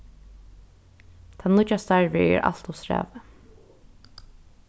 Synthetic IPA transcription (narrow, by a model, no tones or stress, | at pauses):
t̪ʰanʊt͡ʃːast̪aɹvɪɛ̰ɹʔa̰l̥t̪ʊsɹæ̰ːvə